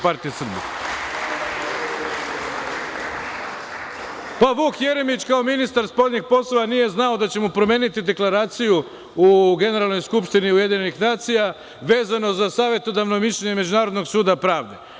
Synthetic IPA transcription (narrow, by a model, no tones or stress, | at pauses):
paɾt̪ijesr̩bḭ | paʋuːkje̞ɾe̞mit͡ɕkao̞minist̪aɾspo̞ʎʲɲiɡpo̞slˠoʋanije̞znao̞d̪at͡ɕe̞mupɾo̞me̞ːnit̪id̪e̞klˠaɾaːt̪siju | uɡe̞ne̞ɾalˠno̞jskupʃt̪iniuje̞d̪iɲenixnaːt̪sija | ʋe̞ːzano̞zasaːʋje̞t̪o̞d̪aʋno̞miʃlʎeɲeme̞d͡ʑunaːɾod̪no̞ɡsuːd̪apɾaːʋd̪e̞̰